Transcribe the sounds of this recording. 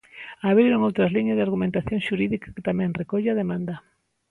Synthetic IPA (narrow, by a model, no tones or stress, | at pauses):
aβɾiɾoŋowt̪ɾɐzliɲɐzðɪaɾɣumẽnt̪aθjõŋʃuɾiðikḁket̪amɛ̃ŋrekoʎaðemãnd̪ɐ